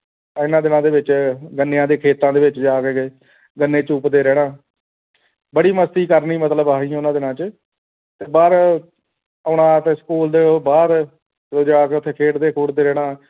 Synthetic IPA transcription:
ɪnãːd̪ɪnãːd̪eːʋɪt͡ʃɡənːejãːd̪eːkʰeːt̪ãːd̪eːʋɪt͡ʃd͡ʒaːkeɡeː | ɡənːẽːt͡ʃʊpd̪eːɾɛːɽ̃ãː | bəɽiːməst̪iːkəɾniːmət̪ləbaːɦĩːʊnãːd̪ɪnãːt͡ʃə | t̪eːbəːɾ | əɽãːt̪eskuːld̪eːbaːd̪ | ɾoːd͡ʒaːkeːʊt̪ʰːeːkʰeːʈd̪eːkʰʊɽd̪eːɾɛːɽaː

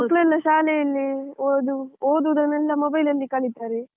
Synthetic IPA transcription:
mɐklelːɐʃaːlɛjɐlːioːd̪uoːd̪ud̪ɐnɛlːɐmobɐjlɐlːikɐɭit̪aːɾe

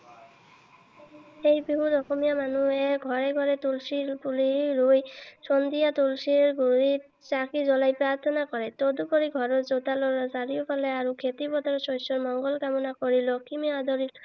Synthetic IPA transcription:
ejbiɦud̪ɔkɔmijamanuɛɡʱɔɹɛɡʱɔɹɛt̪ulsilpuliɹujsɔnd̪ijat̪ulsiɹɡuɹi | t͡ʃakizɔlajpɹaɹt̪ʰɔnakɔɹɛt̪od̪upɔɾiɡʱɔɹɔɹzot̪alɔɹɔzaɹiopʰalɛaɹukʰet̪ibɔt̪aɹsɔjsɔɹmɔŋɡɔlkamɔnakoɹilɔkimiad̪ɔlit

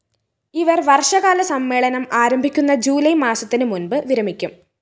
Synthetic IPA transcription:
iʋɐrʋɐrʂɐɣaːlɐsɐmːe̞ːɭɐnɐmaːɾɐmbʱikʲːunːɐd͡ʑuːlɐjmaːsɐt̪ːinɨmunbɨʋiɾɐmikʲːum

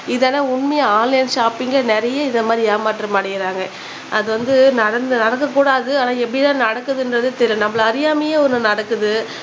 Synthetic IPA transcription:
ɪðɛnɐʊɳmɐjɐaːnlɐjnʃaːpɪŋɡɭɐnɛɾɐjɐɪnd̪ɐmaːd̪ɾɪaːmaːʈrɐmaɐːɽɪjɪɾaːŋɡɐ | ʔɐðɯʋɐnd̪ɯnɐɽɐnd̪ɯnɐɽɐk̬ːɐk̬ːuːɽaːðɯaːnaːɛpːɐɽɪt̪ãːnɐɽɐkːɯðɯɪndɾɐðɯt̪ɛɾɪnɐmːɐɭɐɐɾɪjaːmɐjeːɔnːɯnɐɽɐkːɯðɯ

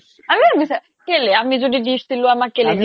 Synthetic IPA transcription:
amiabisa | keleamizodidisiloamakeleedi

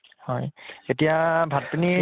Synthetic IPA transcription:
hɔjetijabʱat̚pini

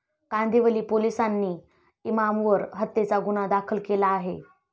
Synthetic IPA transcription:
kand̪iʋəliːpolisanːiː | imamʋəɾɦət̪ːet͡saɡuñad̪akʰəlkelaːɦe

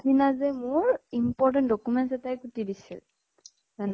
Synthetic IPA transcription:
dinazɛmʊɹimpɔɹt̬ɛntdɔkumɛnzɛtajkutidisḭl | zan

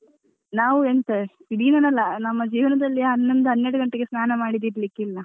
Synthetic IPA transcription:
naːʋuent̪eidiːnɐnɐlːɐnɐmːɐd͡ʒiːʋɐnɐd̪ɐlːiɐnːɐnd̪ɐɦɐnːeɽuɡɐɳʈeɡesnaːnɐmaːɽid̪iɾlikːilːɐ

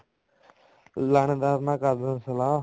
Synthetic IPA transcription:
land̪aːɾnãːkad̪ənsəlaː

